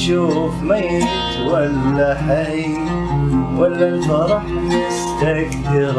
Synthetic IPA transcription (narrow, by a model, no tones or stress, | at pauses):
ʃuːfmajɪ | t̪walːaħaj | walːafɑɾˤɑħ | ɪst̪aɡd̪ɪɾ